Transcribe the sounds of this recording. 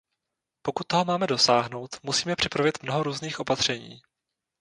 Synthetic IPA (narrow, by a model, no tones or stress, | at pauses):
po̞kut̪̚ːoɦomaːmɛdo̞saːɦno̞wt̪musiːmɛpr̝̥ɪpɾavjɛt̪mnoɦoɾuːzniːxʔo̞pat̪r̝̥ɛɲḭː